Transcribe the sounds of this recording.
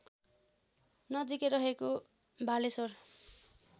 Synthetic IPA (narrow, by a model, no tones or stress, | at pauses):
nʌd͡zikeɾʌɦeko | bʱalesor